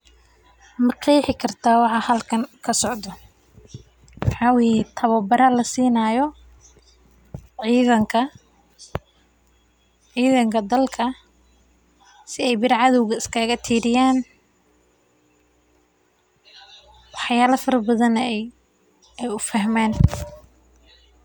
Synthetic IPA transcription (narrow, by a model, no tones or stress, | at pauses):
mɑqʰiħɪkʰɐrt̪ʰaːwɑħɑhɐlkʰɐŋkʰɐsɔʕd̪ɔ | wħɑːwit̪ʰɐβɐbɐɾɐlɐsiːnaːjɔ | ʕiːðɐŋkʰɐ | ʕiːðɐŋkʰɐd̪ɐlkʰɐ | sɪɛjbɪɾʕɑðɔwɣɐɪskʰaːɣɐt̪ʰiːɾɪjaːn | wɑħjaːlɐfɐɾɐbɐðɐnɛ | ɛjʊfɐhmɛːn